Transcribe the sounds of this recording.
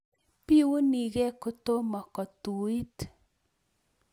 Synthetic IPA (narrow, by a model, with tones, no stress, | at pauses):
pi˦wu˦ni˨ɡɛ˦kʊ˦t̪o˦mɔ˨kɔ˨t̪u˨i˦t̪